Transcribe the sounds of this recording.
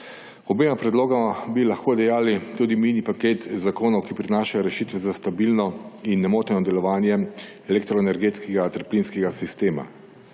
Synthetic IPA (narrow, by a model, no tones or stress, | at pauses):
ɔbeːmapɾɛd̪loːɡamabilaxkoːd̪ɛjaːlit̪uːd̪imiːnipakeːt̪zakoːnɔwkipɾinaːʃajɔɾɛʃiːt̪ʋɛzast̪abilnɔinːɛmoːt̪ɛnɔd̪ɛlɔʋaːnjɛ | ɛlɛkt̪ɾɔɛnɛɾɡeːt̪skɛɡat̪əɾpliːnskɛɡasist̪eːma̰